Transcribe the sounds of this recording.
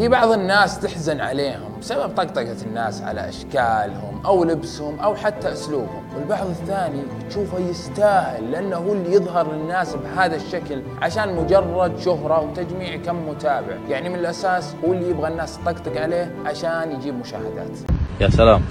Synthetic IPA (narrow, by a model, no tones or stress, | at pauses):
fiːbɑʕðˤɪnːaːst̪ɪħzanʕa̰leːhʊmbɪsabab̚t̪ˤɑɡt̪ˤɑɡat̪ɪnːa̰ːsʕa̰la̰ʔa̰ʃkaːlhʊ̰mʔawlɪbshʊmʔawħat̪ːaʔʊsluːbhʊ̰mwɪlbɑʕðˤɪθːaːni | t̪ʃuːfajɪst̪aːhɪlːɪʔanːahuːlːijɨðˤɦɑɾˤlɪnːaːsbɦaːðaʃːakl | ʕaʃaːnmʊd͡ʒɑrˤːɑd̪ʃʊɦɾˤɑwt̪ad͡ʒmiːʕkamːʊt̪aːbɪ̰ʕjaʕnimɪnɪlʔasaːshuːlːijɪbɣanːaːst̪ˤːɑɡt̪ˤɑɡʕaleːhʕaʃaːnjɪd͡ʒiːbmʊʃa̰ːhɪd̪a̰ːt̪jasalaːm